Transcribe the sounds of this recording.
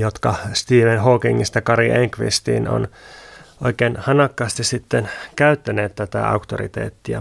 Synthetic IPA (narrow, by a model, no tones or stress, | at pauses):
jot̪kɑst̪iːʋenhoːkiŋːist̪ækɑɾiʔeŋkʋḭst̪ḭːno̰n | oikeːnhɑnɑkːɑːst̪issit̪ːenkæyt̪ːæneːt̪t̪æt̪æ̰ɑ̰ukt̪orḭt̪ḛːt̪ːiæ̰